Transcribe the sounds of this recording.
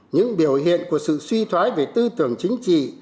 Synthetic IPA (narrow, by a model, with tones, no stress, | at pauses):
ɲɨ̰˧˥ŋɓi˨˩əwɦḭ˧˨ənku˧˩əsɨ̰˧˨swi˧t̪ʰwaː˨˦jve˨˩t̪ɨ˧t̪ɨ˨˩əŋt͡ɕï˨˦ŋ̟t͡ɕḭ˧˨